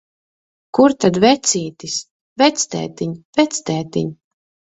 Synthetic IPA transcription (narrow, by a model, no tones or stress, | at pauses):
kuɾt̪ad̪vɛt̪siːt̪is | vɛt̪st̪ɛ̰ːt̪iɲvɛt̪st̪ɛːt̪iɲ